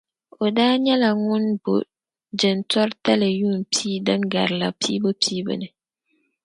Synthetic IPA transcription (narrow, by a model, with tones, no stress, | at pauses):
o˨daː˦ɲɛ˦la˨ŋʊ˦nbo̰˨ | d͡ʒɪ˨ntɔ˦ɾta˦lɨ˨juː˦˨npʰiː˦dɨ˦ŋɡa̰˨ɾla˨pʰiː˦bo˦pʰiː˦bɨ̰˦nɨ˨